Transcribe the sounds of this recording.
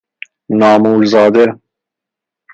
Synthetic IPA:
nɑːmuːlzɑːd̪e

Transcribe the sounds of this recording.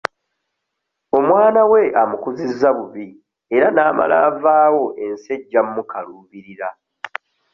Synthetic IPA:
o̞mwaːnawe̞ʔamukuzizːaβuβi | e̞ɾanaːma̰la̰ːvaːwo̞ʔe̞nse̞ɟːamːukaluβiɾiɾa

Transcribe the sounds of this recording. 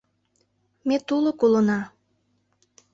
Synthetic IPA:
met̪ulokulonɑ

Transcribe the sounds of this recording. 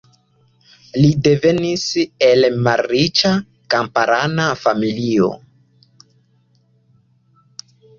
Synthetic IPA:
lide̞ve̞nise̞lmalɾit͡ʃa | kampaɾanafamilio̞̰

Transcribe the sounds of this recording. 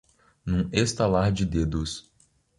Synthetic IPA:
nũest̪alaɾd͡ʒɪd̪ed̪ʊs

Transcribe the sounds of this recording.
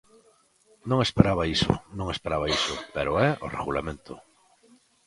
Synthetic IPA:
nõŋespeɾaβaisʊ̰nõŋespeɾaβaisʊpeɾʊɛʔorḛɣulamẽnt̪ʊ

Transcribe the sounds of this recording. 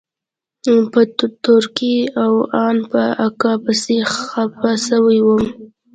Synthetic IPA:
pət̪ʊɾkiawɑnpəakɑpəseapasəwajwəm

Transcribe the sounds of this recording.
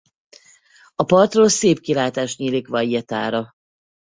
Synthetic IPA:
ɒpɒrt̪roːlseːpkilaːt̪aːʃt̪ɲiːlikʋɒjɛt̪aːɾɒ

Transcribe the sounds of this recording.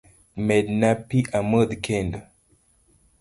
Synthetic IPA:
mɛdnapiʔaməd̪kʰẽnd

